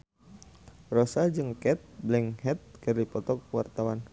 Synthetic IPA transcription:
rɔsad͡ʒɨŋkɛt̪̚blɛŋhɛt̪̚kɨrdipɔt̪ɔkwart̪awan

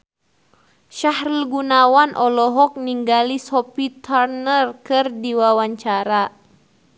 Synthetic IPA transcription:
ʃahrilɡunawanʔɔlɔɦɔk̚niŋɡalisɔpit̪ʰarnərkɨrdiwawaɲt͡ʃaɾa

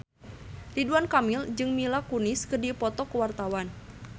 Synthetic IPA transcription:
riduankamild͡ʒɨŋmilakunɪskərdipɔt̪ɔkəwart̪awan

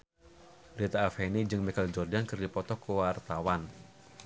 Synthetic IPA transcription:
bɾit̪aːfenid͡ʒɨŋmikald͡ʒɔrdankɨrdipɔt̪ɔkəwart̪awan

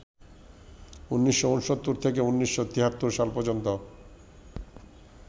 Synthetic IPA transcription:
unːiʃːounʃot̪ːuɾt̪ʰekeunːiʃːot̪iɦat̪ːuɾʃalpɔd͡ʑont̪o

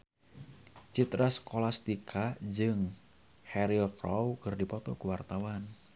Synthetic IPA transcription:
t͡ʃit̪ɾasə̥kolast̪ikʰad͡ʒɨŋ | hɛɾilkrɔwkɨrdipɔt̪ɔ̰kuwart̪awan

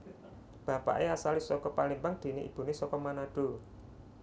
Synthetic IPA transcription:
b̥a̤pa̰ʔeasalisɔkɔpalimbaŋd̪̥e̤neʔḭb̥ṳnesɔkɔmanaɖ̪̥o̤

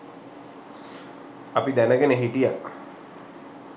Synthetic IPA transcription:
ɐpid̪ænəkeneɦiʈijak

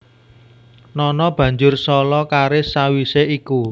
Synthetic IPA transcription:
nɔnɔb̥ä̤ɲd͡ʒʊrsɔlɔkaɾɪsawiseʔiku

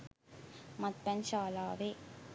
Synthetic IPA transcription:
mɐt̪̚pɐnɕaːlaːʋe

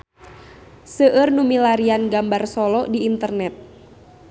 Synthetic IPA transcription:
səʔərnumilaɾianɡambarsɔlɔʔdiːnt̪ərnɛt̪̚

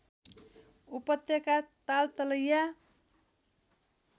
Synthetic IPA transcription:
upʌt̪jʌkat̪alt̪ʌlʌja

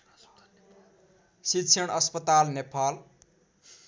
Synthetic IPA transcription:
sit̪sʰʌɽ̃ʌspʌt̪alnepʰal

